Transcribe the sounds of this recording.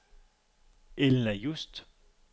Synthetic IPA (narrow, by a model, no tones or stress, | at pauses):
elnejust̪